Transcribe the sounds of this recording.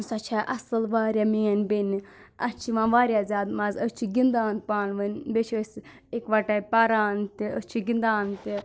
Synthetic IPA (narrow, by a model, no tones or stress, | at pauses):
sɐt͡ʃʰaʔɐsɨlʋaːɾʲjamiːɐnbeni | ɐt͡ʃʰimãʋaːɾjazʲaːd̪mazəst͡ʃʰiɡind̪aːnpaːnʋənbet͡ʃʰəs | ekʋɐʈapaɾaːnt̪iət͡ʃʰiɡind̪aːnt̪i